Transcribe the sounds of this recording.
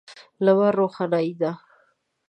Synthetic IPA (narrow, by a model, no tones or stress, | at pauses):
lawaɾoxɑnaid̪a